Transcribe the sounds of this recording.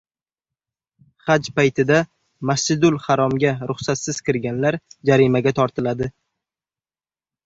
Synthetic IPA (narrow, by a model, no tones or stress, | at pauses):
χad͡ʒpajt̪ʰɪd̪a | masɪd̪ʊlˠhaɾɒmɡʲaɾʊχsat̪sɪz̥kʲɪɾɡʲanlaɾd͡ʒaɾɪmaɡʲat̪ʰɒɾt̪ʰɪlad̪ɪ